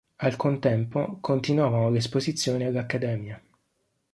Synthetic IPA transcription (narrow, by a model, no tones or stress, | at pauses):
alkont̪ɛmpokʰont̪inwaːvanolespozit̪sːjoːnialːakːad̪ɛːmja